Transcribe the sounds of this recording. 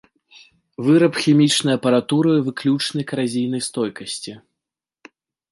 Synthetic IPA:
vɨɾɐpxʲɛmʲit͡ʂnɐjɐpɐɾat̪uɾɨivɨklʲut͡ʂnɐjkɐɾazʲijn̪ɐjst̪ɔjkɐsʲt͡sʲi

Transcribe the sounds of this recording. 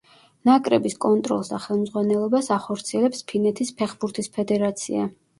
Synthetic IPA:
nakʼɾɛbiskʼɔnt̪ʼɾɔ̰lˠsd̪aχɛlˠmd̪zʁwanɛlˠɔbasaχɔɾt̪sʰiɛlɛpspʰinɛt̪ʰispʰɛχbuɾt̪ʰispʰɛd̪ɛɾat̪sʰḭa̰

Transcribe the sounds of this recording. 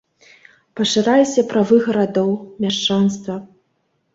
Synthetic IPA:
pɐʂɨɾajʲsʲɐpɾavɨɣɐɾad̪ɔwmʲaʂt͡ʂanst̪vɐ

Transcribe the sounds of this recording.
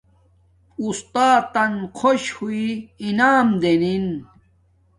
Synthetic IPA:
ust̪aːt̪ɐnkʰoɕhuiinaːmd̪enin

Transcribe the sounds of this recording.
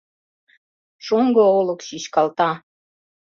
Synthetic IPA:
ʃoŋɡoolə̆kɕiɕkɑlt̪ɑ

